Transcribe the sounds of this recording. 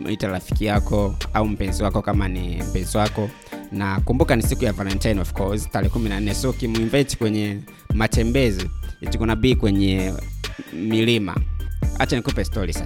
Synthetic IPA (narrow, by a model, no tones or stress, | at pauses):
ʔitalafi̥kijakʰɔaum̩pɛnziwakɔkamanḭm̩pɛnziwakɔ | nakumbukanisikujavalɛntajnɔfkʰɔstalɛːkuminan̩nɛsɔkimuiɱvɛɛti̥kwɛɲɛ | mat͡ʃɛmbɛziitikunabiːkwɛɲɛ | milima̰a̰t͡ʃanikupɛstɔɾisa